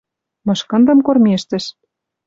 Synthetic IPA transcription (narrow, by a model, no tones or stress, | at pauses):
mɤ̆ʃkɤ̆nd̪ɤ̆mkormʲeʃt̪ɘ̆ʃ